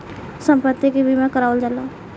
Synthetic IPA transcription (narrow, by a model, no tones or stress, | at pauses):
sə̃mpət̪ːikibʱimãkəɾaːʋəld͡ʒalaː